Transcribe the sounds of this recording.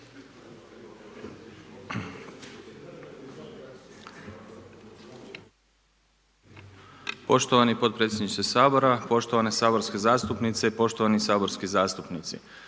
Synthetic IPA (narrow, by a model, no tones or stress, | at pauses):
po̞ʃt̪o̞ʋanipo̞t̪̚pɾet̪sʲjed̪niʃt̪esaːbo̞ɾapo̞ʃt̪oʋane̞saːbo̞ɾske̞zaːst̪upnit̪se̞po̞ʃt̪oʋanisaːbo̞ɾskizaːst̪upnit̪sḭ